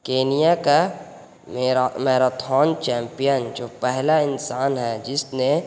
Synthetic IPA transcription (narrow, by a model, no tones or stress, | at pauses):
keːnijaka | meɾmeːɾat̪ʰɔːnt͡ʃɛ̃ːmpijənd͡ʒoːpɛɦlaɪnsaːnɦɛd͡ʒɪsne